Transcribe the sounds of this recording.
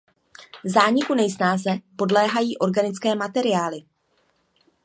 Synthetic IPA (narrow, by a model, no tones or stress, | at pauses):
zaːɲɪkunɛjsnaːzɛpo̞dlɛːɦajiːʔo̞ɾɡanɪt͡skɛːmat̪ɛɾɪaːlɪ